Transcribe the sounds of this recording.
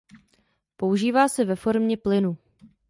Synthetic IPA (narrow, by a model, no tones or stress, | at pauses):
po̞uʒiːvaːsɛvɛfo̞ɾmɲɛplɪnu